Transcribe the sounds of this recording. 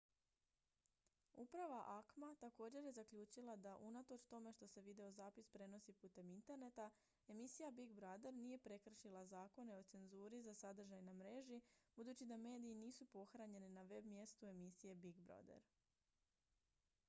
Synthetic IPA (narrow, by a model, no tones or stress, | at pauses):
ṵpɾaʋaʔakmat̪ako̞ːd͡ʑe̞ɾje̞zakʎuːt͡ʃilˠad̪aʔunat̪o̞t͡ʃt̪o̞me̞ʃt̪o̞se̞ʋid̪e̞o̞zaːpispɾe̞no̞sipuːt̪e̞mint̪e̞ɾne̞t̪a | e̞misijabiɡbɾad̪e̞ɾnije̞pɾe̞kr̩ʃilˠazaːko̞ne̞o̞t̪se̞nzuːɾizasad̪r̩ʒajnamɾe̞ʒibud̪uːt͡ɕid̪ame̞ːd̪iːniːsupo̞xɾaɲe̞ninaʋe̞bmje̞st̪ue̞misije̞biɡbɾo̰d̪ḛɾ